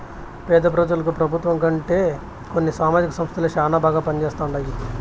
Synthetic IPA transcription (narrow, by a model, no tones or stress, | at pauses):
pɛːd̪ɐp̬ɾɐːd͡ʒɐlɐkupɾɐbʱut̪ʋɐŋkɐɳʈe̞ː | ko̞nːisaːmaːd͡ʒikɐsɐmst̪ʰilɐt͡ʃaːnaːbaːɡaːpɐnit͡ʃɛːst̪aːwuɳɖɐjid̪i